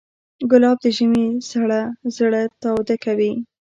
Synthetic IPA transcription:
ɡʊlɑb̚d̪əʒəmesaɽazɽat̪awd̪akawi

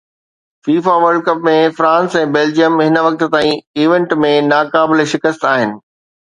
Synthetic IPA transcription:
fiːfaʋəɾɖ̚kɐpmẽfɾãːnsɛ̃ːbeːld͡ʑijəmɦɪnəʋɐk̚t̪t̪aːĩiːʋẽɳʈmẽnaːkaːbɪleʃɪkəst̪aːɦɪnɪ̆

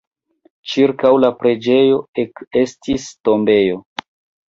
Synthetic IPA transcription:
t͡ʃiɾkawlapɾe̞d͡ʒe̞jo̞eke̞stisto̞mbe̞jo̞

